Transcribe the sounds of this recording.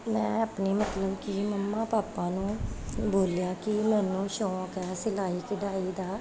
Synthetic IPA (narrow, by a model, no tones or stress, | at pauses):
mɛ̃ːəːpniːmət̪ləbkɪməmːãːpaːpãːnũːboːljaːkɪmɛ̃ːnũːʃɔ̃ːkɛːsɪlaːiːkɪɖaːiːd̪aː